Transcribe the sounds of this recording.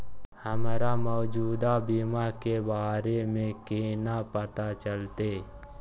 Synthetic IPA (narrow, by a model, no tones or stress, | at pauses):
həmɾamɔːd͡ʒuːd̪abimakebaːɾemẽkenapət̪at͡ʃəlt̪eː